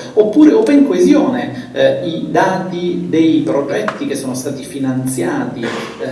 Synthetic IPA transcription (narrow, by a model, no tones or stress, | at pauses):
opːuːɾeoveŋkoezjoːneid̪aːt̪id̪ejpɾod͡ʒɛt̪ːik̟esːoːnost̪aːt̪ifinant̪sjaːt̪i